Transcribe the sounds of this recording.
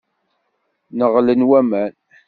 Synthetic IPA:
nəʁlənwæmæn

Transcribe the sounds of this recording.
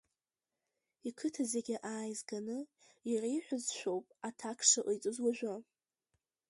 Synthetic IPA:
ikʰɨtʰazeɡʲɪʔaːjzɡanɨ | irajħʷᶣʊzʃʷᶣo̞wpʼatʰakʰʂaʔɨjt͡sʼɨzwaʒʷᶣa

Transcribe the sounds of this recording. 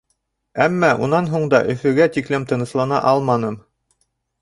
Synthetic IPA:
æmːæʔunɑnɦuɴd̪ɑʔɵ̆fɵ̆ɡæt̪iklɘmt̪ɤ̆nɤ̆ʃlˠɑnɑ̰ʔɑlˠmɑnɤm

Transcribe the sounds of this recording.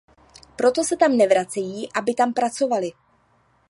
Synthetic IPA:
pɾo̞t̪o̞sɛt̪amnɛvɾat͡sɛjiːʔabɪt̪ampɾat͡so̞valɪ

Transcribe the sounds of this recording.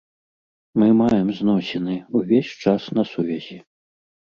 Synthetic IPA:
mɨmajɛmznɔsʲɛnɨuvʲesʲt͡ʂasnɐsuvʲɛzʲi

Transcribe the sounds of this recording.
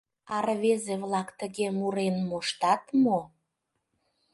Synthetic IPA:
ɑrβezeβlɑkt̪əɣemuɾenmoʃt̪ɑt̪mo

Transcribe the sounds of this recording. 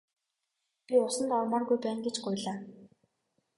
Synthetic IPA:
pʲiʊsə̆nt̪ɔrmɔːrɣujpæːŋɡet͡ɕɢʊjɮaː

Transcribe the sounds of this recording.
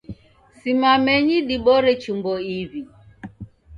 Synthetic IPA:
simamɛɲiɗiɓɔɾɛt͡ʃumbɔiβi

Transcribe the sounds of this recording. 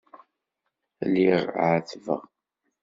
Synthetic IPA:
lːiʁʕəθvə̰ʁ

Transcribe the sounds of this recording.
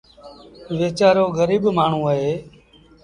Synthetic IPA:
ʋeːt͡ʃaːɾoːɡəɾiːbmaːɳ̤ũːəɦeː

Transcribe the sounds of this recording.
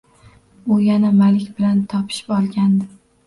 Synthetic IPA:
ʊjanamalɪkʲbɪlant̪ʰɒpʰɪ̥ʃɪ̥pɒlˠɡʲand̪ɪ

